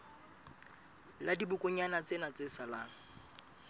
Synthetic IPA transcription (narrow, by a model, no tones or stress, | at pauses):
ladibʊkʼʊɲanat͡sʼenat͡sesalaːŋ̩